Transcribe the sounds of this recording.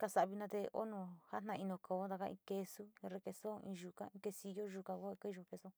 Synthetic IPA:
ka˧sa˧˨βi˧nã˧t̪e˧o̰˦nõ˧˨ha˦n̥ã˧i˧nõ˧˨ko˨o˧˦d̪a˧ka˦˧ḭ̃˧ke˧su˦ĩ˧ɾe˧ke˧so˦˨ḭ̃˧ʒu˧kã̰˧˦ĩ˧ke˧si˧jo˦ʒu˧kã˧ko˦e˧ke˦˧ʒo˧pe˧sõ˦˨

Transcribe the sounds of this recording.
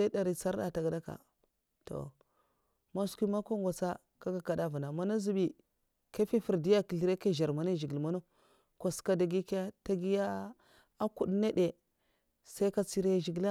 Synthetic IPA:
a˦da˨ɾi˨t͡sa˦ɾda̰˨ta˨ɡa˨da˦ka̰˨ | to̰˨ | ma˦skʷi˦ma˦ko˦ŋɡʷa˨t͡sa˦ | ka˦ɡa˨ka˨da˦vu˨na˨ma˦na˦zi˦bi˨ | ka˦fi˦fi˨ɾdi˦ja˦ki˨ɬi˦ɾe˦ka˦˨ʒa˨ɾma˨ne˦ʒi˨ɡi˨lma˦no˦ | ko˨ska˦da˨ɡi˦ka˦ta˦ɡi˦ja˦ | a˦ku˨ɗne˦de˨ | sa˦ka˦t͡si˦ɾe˦ʒi˨ɡa˦

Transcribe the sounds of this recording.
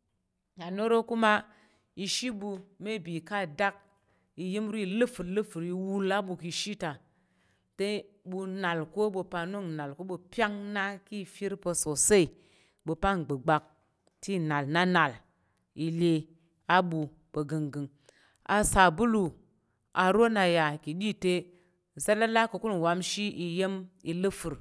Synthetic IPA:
a˨no˦ɾo˦ku˦ma˦ | i˧ʃi˦bu˧me˦˨bi˨ka˦˨da˦k̚ | i˨ji˦m˦ɾu˦i˨lɨ˦fu˨ɾlɨ˦fu˨ɾi˨wu˦la˦bu˨ki˨˧ʃi˦ta˨ | te˦ | bu˧na˨lko˦bu˨˧pa˨nu˦˨ŋna˨lko˦ɓu˧pʲa˦ŋna˦ki˦˨fi˦ɾpə˧so˨se˦i˨ | ɓo˨pa˦ŋ˨ɡ͡bə˨ɡ͡ba˨k̚ | ti˦na˨lna˦na˨l | i˨le˨ | a˦ɓu˨ | bə˨ɡɨ˨ŋɡɨ˨ŋ | a˨sa˨bu˦lu˨ | ʔa˨ɾo˦na˨ja˨ki˨ɗi˦te˦ | za˦la˦la˦ko˨ku˦n˨wa˨mʃi˦i˨je˦mi˨lɨ˦fu˨ɾ

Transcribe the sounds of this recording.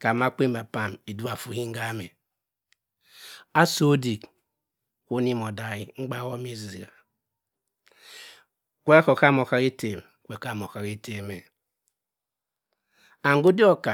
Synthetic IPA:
ka˨ma˦k͡pe˦m˦ba˨pa˦mi˨du˦a˨fu˨hi˦ŋ̩˦ɡa˦me˨ | a˦so˦di˨k | ko˦ni˦mo˨da˨ɣi˦ŋ͡m̩˦ɡ͡ba˦wo˦mi˦zi˨i˨ɾa˨ | kʷe˦ko˨ka˦mo˨ka˨ɾi˦te˨m˨kʷe˨ka˦˨m˨o˨ka˨ɾi˦te˨me˨ | a˨ŋ˦ɡu˦di˦ɔ˦ka˨

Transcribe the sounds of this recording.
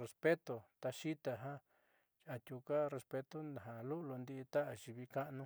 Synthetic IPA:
re˧spe˦t̪o˨t̪a˧ʃi˦t̪a˧ɦã˦ | a˨t̪ʲu˧ka˦re˧spe˧t̪o˦na˨ɦa˨lu˦lo˧nd̪i˧t̪a˦ʔa˨ʃi˧βi˧ka˦ʔnũ˦

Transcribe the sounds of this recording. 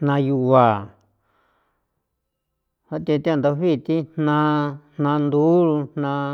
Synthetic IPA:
nã˧ju˧a˨ | ha˦t̪ẽ˧t̪i˦ã˦˧nd̪o˧βi˦˨˧t̪i˦nnã˧n̥nã˧nd̪u˦ɾu˧n̥nã˧

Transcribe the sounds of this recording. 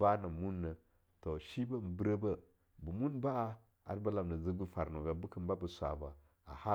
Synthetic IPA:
a˦na˨mu˦nːə˨ | to˨ʃi˦ba˦m̩˨bi˦ɾə˦bə˦ | bu˨mu˦nba˦ | a̰˨ɾba˦la˨m˨nə˨zə˦ɡu˦fa˨ɾno˨ɡa˨bu˦kə˨mba˦bə˨sʷa̰˨ba˨ | a̰˨ha˦

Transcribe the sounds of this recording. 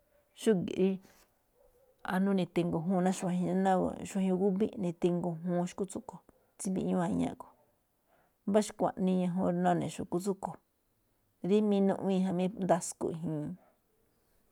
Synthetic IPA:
ʃu˦ɡḭ˨ʔɾi˦ | a̰˧nũ˦˧nĩ˧˨t̪e˧ŋɡo˧ɦũː˦˧nã˦ʃu˧ã˧ɦĩ˧ã˦nã˦ko̰˨ʃu˧ã˧ɣu˦βi˦nĩ˧t̪e˧ŋɡo˧ɦũː˦˧ʃu̥˧ku˦t͡su˦ko˨ | t͡si˦bi˧ʔɲũ˦ã˧ɲã̰˦ʔko̥˨ | βa˦ʃi̥˦kʷã̰˨ʔnĩ˧ɲã˧ɦõ˧ɾnõ˦˧nẽ˨ʃu˨ku˧t͡su˦ko˨ | ɾi˦mĩ˧˦nũ˧ʔĩ˦˧ɦã˧mĩ˦nd̪a˧skṵ˧i˧ɦĩ˧

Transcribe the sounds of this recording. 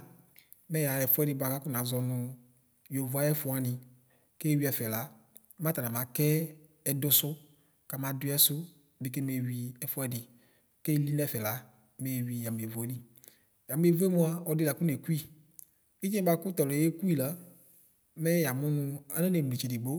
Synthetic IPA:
mɛ˦ja˨ɛ˨fʊ˦ɛ˦dɪ˨ba˨ka˦kʊ˦nã˨˦zɔ˨nʊ̃˨˧ | jo˨va˨jɛ˦fʊ˨a˨nɪ̃˨ | ke˦˨wi˨˦ɛ˨fɛ˨la˨˦ | mã˦t̪a˨nã˨mã˨˦kɛ˦ | ɛ˨dʊ˦sʊ˦ | ka˨mã˨dʊ˦ɛ˦sʊ˦˨ | bɪ˨k̬e˦me˨wi˨ɛ˨fʊ˦ɛ˦dɪ˨ | ke˦li˦n˦ɛ˦˨fɛ˨la˨˦ | me˨wi˨ja˨m˨e˨vo˨e˦li˦ | ja˨mʊ̃˦e˨vo˦ɛ˦mʊ̃˦a˨ɔ˨dɪ˦la˨kʊ˦ne˨ku˦i˦˨ | i˦d͡ʒɛ˦ba˨kʊ˦t̪ɔ˨lɛ˨˦je˦ku˦i˦˨la˦ | mɛ˦ja˨mʊ˦nʊ˦a˦na˦ne˨mu˨li˨t͡ʃe˨dɪ˨ɡ͡bo˦

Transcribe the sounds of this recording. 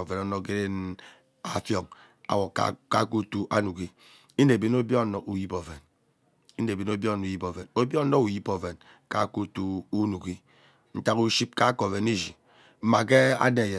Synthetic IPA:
o˨ve˨no˦no˦ke˦ɾe˦n˦ | a˦fjo˨ŋ | a̰˨wo˨ka̰˦ka˦ku˦tu˦ʔa˦nu˨ki˦ | i˦ne˨be˨no˦bjo˦˨no˨ʔu˨ji˦po˨ve˨n | i˦ne˨bi˨no˦bjo˦˨n˨ji˦po˨ve˨no˦bjo˦n̩˦no˦u˨ji˦po˨ve˨n | ka˦ku˦tu˦u˦nu˨ki˦ | n̩˦ta˦ku˦ʃi˦p̚ka˦ko˨ve˨ni˦zi˨ | m̩˦ma˨ke˦a̰˦de˨je˨

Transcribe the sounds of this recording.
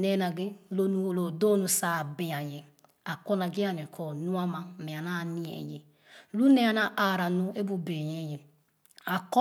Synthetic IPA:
ne˦na˨ɡe˦lo˦nu˦˨lo˨do˦nu˨sa˨bĩ˨a˨je˨ | a˨ko˦na˨ɡe˦a˨ne˨kʰɔ˨nu˦a˦ma˦˨me˨a˨na˦˨ni˦ḛ˨je˨ | lu˦ne˦a˨na˦ʔa˨ɾa˨nu˦e˦bu˦be˨ɲe˦je˨ | a˨kɔ˦

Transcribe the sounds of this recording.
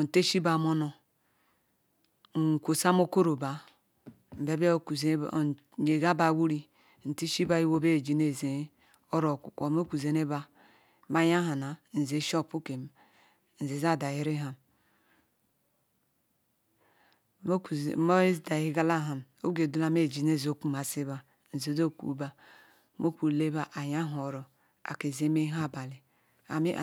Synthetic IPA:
o˨n̩˨te˦ʃi˦ba˨mo˦no˨ | kʷo˨sa˦mo˦ko˦ɾo˨ba˨ | m̩˨be˦be˦ku˨zḛ˦˨ | je˨ɡa˦ba˨˦wu˦ɾi˦ | n̩˨ti˦ʃi˦ba˦i˦wo˦be˦˨d͡ʒi˨ne˨ze˨˦ | o˦ɾo˨kʷu˨ko˨mo˦kʷu˨ze˨ne˦ba˦ | ma˦ja˦ɦa˨na˨n̩˨ze˨ʃo˦˨pu˦ke˨m | n̩˨ze˨˦za˦˨da˨i˦ɾi˦ɦa˨m˦˨ | mo˦i˦da˨hi˦ɡa˦la˦˨ɦa˨mo˦ɡe˨du˦la˨me˦˨d͡ʒi˨ne˦˨zo˦ku˦ma˨si˦ba˨ | n̩˨ze˨˦do˦˨kṵ˦ba˦ | mo˦kʷu˨le˦ba˦ʔa˨ja˦ɦo˨ɾo˨ | a̰˨ke˨ze˦me˦ɦa˦˨ba˨li˨ | a˨mi˦˨

